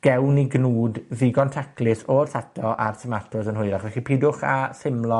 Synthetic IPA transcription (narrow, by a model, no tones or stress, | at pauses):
ɡ̥ɛwniɡnuːdðɪɡɔntʰakʰlɪsɔrθatʰɔʔarsəmatʰʊsənɦʊɨɾaχvɛχipʰiːdʊχasɪmlˠɔ